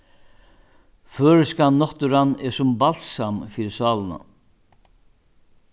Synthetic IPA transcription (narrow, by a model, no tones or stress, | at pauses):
føːɾʏskannːɔht̪ʏɾanːɛsʊmbal̥samfiːɾɪsaːlna̰